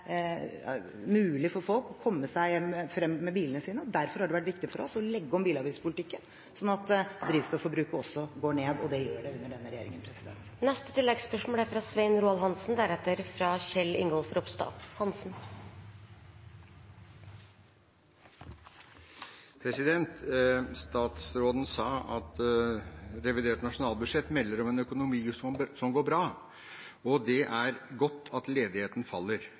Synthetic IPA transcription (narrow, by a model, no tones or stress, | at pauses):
mʉːlɪfɔɾfɔlkɔkʰɔmːəsæɪjɛmːfɾɛmːmɛbiːlənəsiːnəɔd̪æɾfɔɾhɑɖɛʋæʈʋɪkt̪ɪfɔɾɔsɔlɛɡːəɔmbiːlɑʋiːspʰʊlɪt̪ɪkːən | sɔnːɑt̪d̪ɾiːʋst̪ɑfɔɾbɾʉːkəɔsːɔɡoːɳeːd̪ɔd̪ɛjøːɖɛʉnːəɖɛnːəɾɛjḛːɾɪŋənpʰɾɛsɪd̪ɛ̰nt̪nɛst̪ə̥t̪ʰɪlːɛɡspœʂmoːlæɾfɾɑsʋɛɪnɾuːɑlɦɑnsn̩d̪æɾɛt̪ːəɾfɾɑːɕɛlːɪ̰ŋɡɔlfɔɾɔpst̪ɑ̰fhɑnsn | pʰɾɛsɪd̪ɛnt̪st̪ɑːt̪sɾoːd̪n̩sɑːɑt̪ | ɾɛʋɪd̪eːʈnɑʂʊnɑːlˠbʉd̪ʂɛt̪ːmɛlːəɾɔmɛnœkʊnʊmiːsɔmsɔmɡoːɾbɾɑː | ɔd̪ɛʔæɾɡɔt̪ːɑt̪leːd̪ɪheːt̪n̩fɑlːəɾ